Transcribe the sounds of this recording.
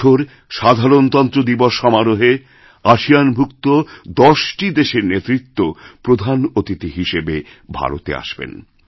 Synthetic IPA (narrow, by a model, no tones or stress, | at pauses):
oɾ | ʃad̪ʱaɾont̪ɔnt̪ɾod̪iboʃʃɔmaɾoɦeɾ | aʃijanbʱukt̪od̪ɔʃʈid̪eʃeɾnet̪ɾit̪ːopɾod̪ʱanot̪it̪iɦiʃebe | bʱa̰ɾot̪ḛa̰ʃbḛn